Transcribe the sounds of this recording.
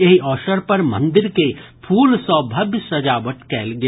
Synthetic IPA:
eɦiʔɔːʃəɾpɐɾmɐ̰̃nd̪ɪɾkepʰuːlsɔːbʱɐbjsɐd͡ʒaːʋəʈkɛːlɡe

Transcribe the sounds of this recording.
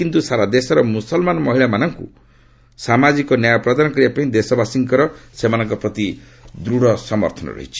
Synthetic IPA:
kint̪usaɾad̪esɔɾɔmusɔlmanɔmɔɦiɭamanɔŋkṵ | samad͡ʒikɔnjajɔpɾɔd̪anɔkɔɾibapaɦĩd̪esɔbasiŋkɔɾɔsemanɔŋkɔpɾɔt̪i | d̪ɾuɽɔsɔmɔ̰ɾt̪ʰɔnɔ̰ɾɔ̰ɦḭt͡ʃʰi̥

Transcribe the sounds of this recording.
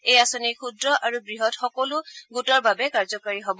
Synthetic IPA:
ejasɔnikʰudɹɔʔaɹubɹiɦɔtxɔkɔlʊɡutɔɹbabɛkaɹzɔkaɹiɦobɔ

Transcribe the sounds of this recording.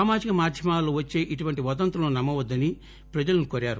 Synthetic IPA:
aːmaːd͡ʒikɐmaːɾd̪ʱjɐmaːloːʋɐt͡ʃːe̞ːʔiʈuʋɐɳʈiʋɐd̪ɐnt̪ɾɐloːnɐmːɐʋɐd̪ːɐni | pɾɐd͡ʒɐlɐnukoɾaːɾu

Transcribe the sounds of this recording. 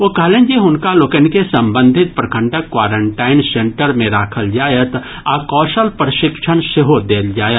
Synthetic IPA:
ʋoːkɐɦlẽːnd͡ʒiɦʊnkalokənkesɐ̃mbə̃nd̪ʱɪt̪̚pɾɐkʰə̃ɳʈəkːwaːɾəɳʈaːɪnsẽɳʈəɾmẽɾaːkʰəld͡ʒaːjət̪ | aːkɔːʃəlpɾɐʃɪkʃʰənʃeɦod̪eːld͡ʒaːjət̪

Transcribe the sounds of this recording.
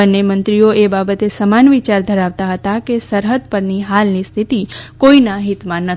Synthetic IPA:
ənːemə̃nt̪ɾioebabət̪esəmanʋit͡ʃaɾd̪ʱəɾaʋt̪aɦət̪akesəɾɦəd̪̚pəɾniɦalnist̪ʰit̪ikoinãɦit̪mãnə

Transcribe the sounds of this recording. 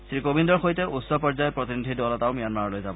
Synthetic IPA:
sɹikobʱindɔɹxojtɛusɔpɔɹzajɔpɹot̪inidʱidɔlɔtaʊmijanmaɹɔlojzabɔ

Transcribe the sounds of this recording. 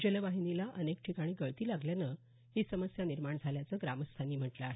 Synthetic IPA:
d͡ʑeleʋaɦinilaʔənekʈʰikaɽ̃iːɡəɭt̪iːlaɡljanə | ɦiːsəməsjaniɾmaɳd͡zʱaljat͡səːɡɾaməst̪ʰaniːm̤əʈləaɦe

